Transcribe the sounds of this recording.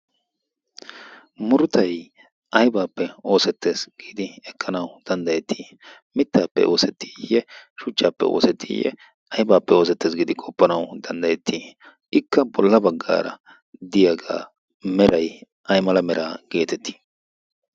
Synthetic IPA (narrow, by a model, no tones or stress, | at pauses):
mʊɾʊt̪ɐj | ʔɐjbaːpːɛo̞ːsɛt̪ːe̞ːsɡ̥iːd̪ɪɛkʰːɐnɐwd̪̥ɐnd̪ɐjɛt̪ːi̥ː | mɪt̪ːaːpːɛ̰ʔo̞ːsɛt̪ːi̥jɛʃʊt͡ʃʼːaːpːɛ̰o̞̰ːsɛt̪ʰːḭjɛ̰ | ɐjbaːpːɛo̞ːsɛt̪ːeːs̬ɡiːd̪ɪkʼɔpːɐnɐwd̪ɐnd̪ɐjɛt̪ʰːiː | ɪkːɐbɔlːɐbɐɡːa̰ːɾɐ̰ | d̪ɪjaɡa̰ː | mɛɾʔɐj | ɐjmɐlɐmɛɾʔaːɡ̥e̞ːt̪ɛt̪ːi̥ː